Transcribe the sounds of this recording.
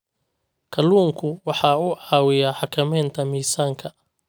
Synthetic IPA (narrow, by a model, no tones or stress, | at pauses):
kʰɐluːŋkʰʊwɑħɑːʊʕɑːwɪjaħɑkʰɐmɛːnt̪ʰɐmiːsaːŋkʰɐ